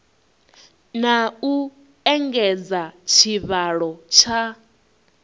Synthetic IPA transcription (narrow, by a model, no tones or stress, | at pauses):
nau | ɛŋɡɛd͡zat͡ʃʰiβaɺɔt͡ʃʰa